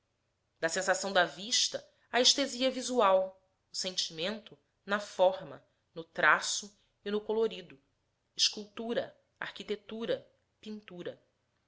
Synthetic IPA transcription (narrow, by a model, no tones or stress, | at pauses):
d̪ɐsẽsasɐ̃w̃d̪ɐviʃt̪ɐ | ɐeʃt̪eziɐvizuaw | ʊsẽnt͡ʃimẽnt̪ʊ | nɐfɔɾmɐ̰ | nʊt̪ɾasʊ | ɪnʊkoloɾid̪ʊ | ɪʃkuwt̪uɾɐ | a̰hkit̪et̪uɾɐ | pĩnt̪uɾɐ